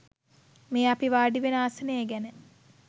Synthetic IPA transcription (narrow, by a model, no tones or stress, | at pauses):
meːapiʋaːɖiʋenəaːsənejeɡænə